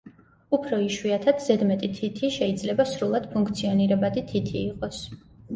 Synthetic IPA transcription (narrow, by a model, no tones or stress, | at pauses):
upʰɾɔiʃwiat̪ʰad̪̥zɛd̪mɛt̪ʼit̪ʰit̪ʰiʃɛid̪zlɛbasɾulˠad̪̥pʰuŋkʰt̪sʰiɔniɾɛbad̪it̪ʰit̪ʰiːqʼɔs